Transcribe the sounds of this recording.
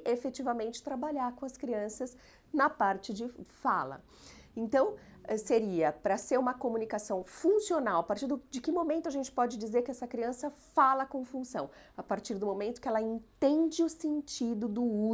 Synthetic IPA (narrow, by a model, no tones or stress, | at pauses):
ʔefet͡ʃivɐmẽnt͡ʃɪ̥t̪ɾabaʎaɾkõɐskɾiɐ̃sɐz | nɐpaɾt͡ʃɪd͡ʒɪfalɐ̰ | ẽnt̪ɐ̃w̃ | ɛseɾiɐpɾɐseɾũmɐkomunikasɐ̃w̃fũsionawɐpaɾt͡ʃiɾd̪ʊd͡ʒɪkɪmomẽnt̪ʊɐʒẽnt͡ʃɪ̥pɔd͡ʒɪd͡ʒizeɾkɪɛsɐkɾiɐ̃sɐfalɐkõfũsɐ̃w̃ | apaɾt͡ʃiɾd̪ʊmomẽnt̪ʊ̥kɪɛlɐẽnt̪ẽnd͡ʒɪʊsẽnt͡ʃid̪ʊd̪ʊu